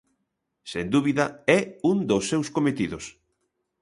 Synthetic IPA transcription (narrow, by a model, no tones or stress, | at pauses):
send̪uβiðɐɛund̪osːewskomet̪iðʊs